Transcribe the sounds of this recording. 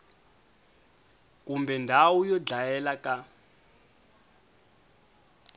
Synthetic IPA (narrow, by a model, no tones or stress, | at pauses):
k̬umbɛndʱawujɔd͡ɮajɛlaka